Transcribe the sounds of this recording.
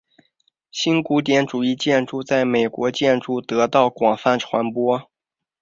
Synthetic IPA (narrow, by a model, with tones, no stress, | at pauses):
ɕi˥nku˧˥t̪̬jɛ˧˥nʈ͡ʂu˨˩i˥˧t͡ɕjɛ˥˧nʈ͡ʂu˥˧t͡sa˥˩ɪme˨˩ɪkwɔ˧˥t͡ɕjɛ˥˧nʈ͡ʂu˥˩t̪ɤ˧˥t̪ɑ˥˩ʊkwɑ˨˩ŋfa˥˩nʈ͡ʂʰwa˧˥npwɔ˥